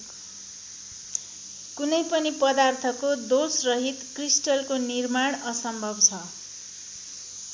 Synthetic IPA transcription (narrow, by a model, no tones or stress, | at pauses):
kunʌjpʌnipʌd̪art̪ʰʌkod̪osrʌɦit̪krisʈʌlkonirmaɽ̃ʌsʌmbʱʌbt͡sʰʌ